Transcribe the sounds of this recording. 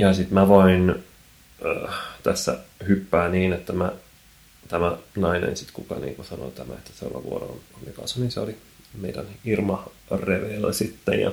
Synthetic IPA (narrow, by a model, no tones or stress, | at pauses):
jɑsit̪mæʋoin | øːt̪æsːæ̰hypːæːniːnet̪ːæmæ | t̪æmænɑinḛnsit̪kukɑnḭːŋkusɑno̰t̪æmæ̰et̪ːæ̥seo̰lʋɑ̰ʋṵoɾo̰nɑmikɑsɑninseoli | meidænirmɑ | reʋeːlːæsit̪ːḛjjɑ̰